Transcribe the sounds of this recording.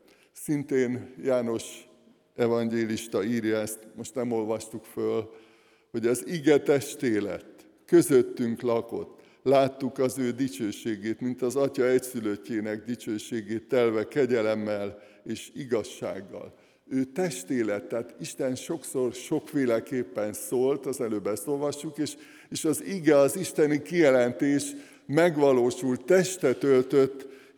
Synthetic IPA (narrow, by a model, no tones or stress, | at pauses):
sint̪eːnjaːno̞ʃ | ɛvɒŋɡeːliʃt̪ɒiːrjɒɛst̪mo̞ʃt̪nɛmo̞lvɒʃt̪ukføl | ho̞ɟɛziɡɛt̪ɛʃt̪eːlɛ̰t̪ː | kø̞zøt̪ːyŋklɒko̞̰t̪ː | laːt̪ːukɒzøːd̪it͡ʃøːʃeːɡeːt̪mint̪ɒzɒcɒɛcsyløcːeːnɛɡd̪it͡ʃøːʃeːɡeːt̪ːɛlvɛkɛɟɛlɛmːɛl | eːʃiɡɒʃːa̰ːɡːɒ̰l | øːt̪ɛʃt̪eːlɛt̪ːaːt̪iʃt̪ɛnʃo̞kso̞rʃo̞kfeːlɛkeːpːɛnsoːlt̪ɒzɛløːbɛst̪o̞lvɒʃːukeːʃ | eːʃɒziɡɛɒziʃt̪ɛnikijɛlɛnt̪eːʃ | mɛɡʋɒloːʃult̪ːɛʃt̪ɛt̪ølt̪øt̪ː